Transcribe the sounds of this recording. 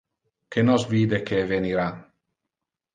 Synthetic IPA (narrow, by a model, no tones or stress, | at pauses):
kʰenɔsviːd̪ekʰeveniɾan